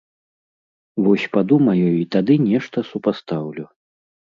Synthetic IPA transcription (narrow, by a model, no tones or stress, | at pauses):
vɔsʲpad̪umɐjɔjuit̪ad̪ɨnʲɛʂt̪ɐsupast̪awlʲu